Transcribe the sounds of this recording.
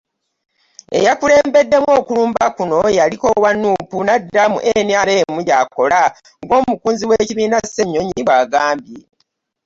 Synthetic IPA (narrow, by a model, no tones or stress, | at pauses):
e̞̰jakule̞ːmbe̞dːe̞mwo̞ːkuluːmbakuno̞jaliko̞wanːuːpunadːamṵʔenjaɾeːmuɟako̞la | ŋɡo̞ːmukuːnziweːciβiːnase̞ɲːo̞ɲiβaɡaːmbje